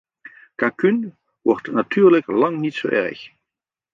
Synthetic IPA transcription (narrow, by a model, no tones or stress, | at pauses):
kakyn | ʋɔrtnatyːɹləklɑŋnitso̰wʔɛ̰ɹəx